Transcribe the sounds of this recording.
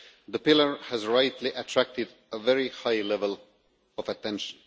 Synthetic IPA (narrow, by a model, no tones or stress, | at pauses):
ðəpɪlˠəɹhæzɹaɪtʰliʔɨtʰɹ̥æk̚tɪd | əvɛɹihaɪlɛvəlˠ | ɔvɨtɛ̃nʃə̃n̩